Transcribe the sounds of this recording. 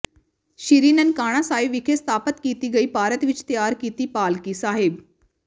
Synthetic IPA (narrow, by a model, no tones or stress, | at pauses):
ʃiɾiːnənkaːɽ̃ãsaːɦɪʋɪkʰest̪aːpət̪kiːt̪iɡɐiːpaːɾət̪ʋɪt͡ʃt̪jaːɾkiːt̪ipaːlkisaːɦɪb